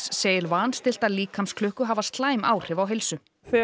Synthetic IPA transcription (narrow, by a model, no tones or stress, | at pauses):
sːeːjɪɾvaːnst̪ɪl̥t̪aliːkʰamskʰlʏhkʏɦaːvast̪laːjmaːwr̥ɪvawɦejlsʏ | ɛ